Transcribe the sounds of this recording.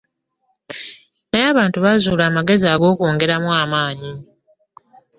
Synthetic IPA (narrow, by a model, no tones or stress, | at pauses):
najaːβaːntuβazuːlaːmaɡe̞ziaːɡo̞ːkoːŋɡe̞ɾamwaːmaːɲi